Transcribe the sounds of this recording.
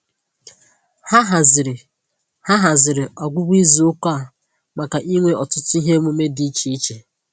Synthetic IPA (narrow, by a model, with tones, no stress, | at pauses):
ha˦ɦa˨zɪ˨ɾɪ˨ | ha˦ɦa˨zɪ˨ɾɪ˨ɔ˨ɡʷʊ˦bi˦zi˨ʊ˦ka˦a˨ | ma˨ka˨ʔi˦ŋʷe˦ɔ˨tʊ˦tʊ˦i˦ɦe˦mʊ˦me˦di˦i˦t͡ʃi˨i˦t͡ʃe˨